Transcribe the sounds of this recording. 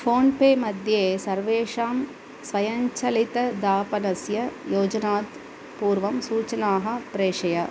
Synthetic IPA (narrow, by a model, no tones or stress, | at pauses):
foːnpeːmɐd̪ʱjeːsɐɾʋeːʂaːm | sʋɐjɐɲt͡ʃɐlɪt̪ɐd̪aːpɐnɐsjɐjoːd͡ʒɐnaːt̪ | puːɾʋɐmsuːt͡ʃɐnaːɦɐpɾeːʂɐjɐ